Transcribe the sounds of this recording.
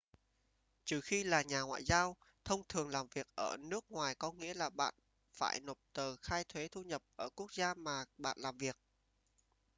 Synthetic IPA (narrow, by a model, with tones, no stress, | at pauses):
t͡ɕɨ˨˩xi˧laː˨˩ɲaː˨˩ŋwa̰ː˧˨jzaː˧w | t̪ʰə˧wŋ͡mt̪ʰɨ˨˩əŋlaː˨˩mvi˨˩ək̚ʔəː˧˩nɨ˦˥ək̚ŋwaː˨˩jkɔ˨˦ŋḭ˧˥əlaː˨˩ɓa̰ː˧˨n | fa̰ː˧˩jno˨˩p̚t̪əː˨˩xaː˧jt̪ʰwe˨˦t̪ʰu˧ɲə˨˩p̚ʔəː˧˩ku˦˥ək̚zaː˧maː˨˩ɓa̰ː˧˨nlaː˨˩mvi˨˩ək̚